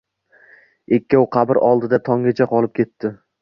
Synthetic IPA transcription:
e̞kʲːawqʰɑbɪɾɒlˠd̪ɪd̪at̪ʰɒŋɡʲat͡ʃʰaqʰɒlˠɪp̚kʲʰe̞t̪ːɪ

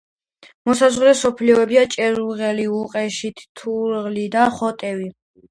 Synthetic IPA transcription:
mɔsazʁɾɛsɔpʰliɔɛbiat͡ʃʼɛɾuʁɛliuqʼɛʃit̪ʰt̪ʰuɾʁlid̪aχɔt̪ʼɛvi

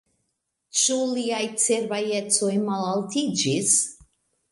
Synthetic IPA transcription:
t͡ʃuliajt͡seɾbaje̞t͡so̞jmalaltid͡ʒis

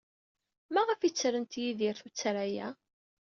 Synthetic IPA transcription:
mæʁəfit͡sːɾənt̪jiðiɾθut͡sːɾajæ

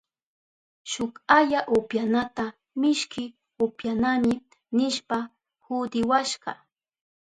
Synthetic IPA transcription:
ʃʊkaʎaʔopjanat̪a | mɪʃkɪ | opjanamɪ | nɪʃpa | hʊd̪ɪwaʃɢɑ̰

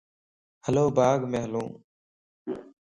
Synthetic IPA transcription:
həloːbaːɡmẽːɦəlũː

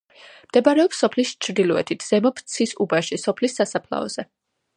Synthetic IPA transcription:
md̪̥ɛbaɾɛɔpsːɔpʰlist͡ʃʰɾd̪ilˠɔɛ̰t̪ʰit̪ʰz̥ɛmɔpʰt̪sʰisubaʃisɔpʰlisːasapʰla̰ɔ̰z̥ɛ

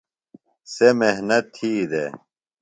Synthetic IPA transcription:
semeɦnɐt̪ʰːiːd̪e

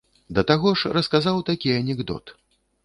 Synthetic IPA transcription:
d̪ɐt̪aɣɔʂrɐskazawt̪akʲiɐnʲɛɡd̪ɔ̰t̪

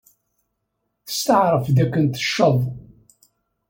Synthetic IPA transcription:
θə̥st̪əʕɾˤəfðækːənt̪ə̥ʃːəðˤ

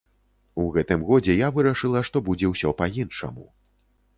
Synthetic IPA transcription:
uɣɛt̪ɨmɣɔd͡zʲɛjavɨɾɐʂɨlˠɐʂt̪ɔbud͡zʲɛwsʲɔpɐjinʂɐ̰mu

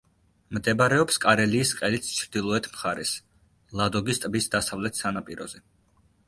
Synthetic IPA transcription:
md̪ɛbaɾɛɔpskʼaɾɛliːsqʼɛlit̪st͡ʃʰɾd̪ilˠɔɛt̪ʰmχaɾɛs | lˠad̪ɔɡist̪ʼbisd̪asavlɛt̪ʰsanapʼiɾɔzɛ

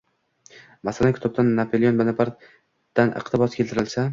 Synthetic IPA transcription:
masalankʰʲɪ̥t̪ʰɒb̚d̪anːapʰolˠijonmanapʰaɾ | d̪̥anʔɨ̰qt̪ɪbɒskʲelt̪ɪɾɪlsa

